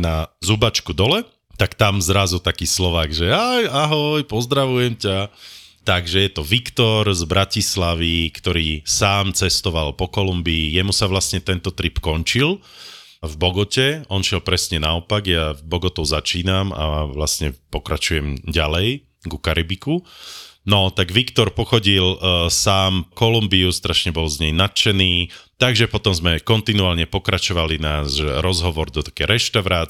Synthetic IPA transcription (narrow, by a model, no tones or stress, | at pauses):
nazubat͡ʃkud̪ɔlɛ | t̪akt̪amzɾazut̪akiːslɔʋaːɡʒɛajaɦɔjpɔzd̪ɾaʋujɛmcat̪aɡʒɛjɛt̪ɔʋikt̪ɔɾzbɾacislaʋikt̪ɔɾiːsaːmt͡sɛst̪ɔʋalpɔkɔlumbiːjɛmusaʋlasɲɛt̪ɛnt̪ɔt̪ɾipkɔɲt͡ʃil | vbɔɡɔcɛɔnʃɪɛlpɾɛsɲɛnaɔpaɡjavbɔɡɔt̪ɔʊzat͡ʃiːnama̰ʋlasɲɛpɔkɾat͡ʃujɛmɟalɛj | ɡukaɾibikunɔt̪aɡʋikt̪ɔɾpɔxɔɟilsaːmkɔlumbiust̪ɾaʃɲɛbɔlzɲɛjnat̪t͡ʃɛniːt̪aɡʒɛpɔt̪ɔmzmɛkɔnt̪inuaːlɲɛpɔkɾat͡ʃɔʋalinaːʃɾɔzɦɔʋɔɾd̪ɔt̪ḁkɛːɾɛʃt̪aʊɾaː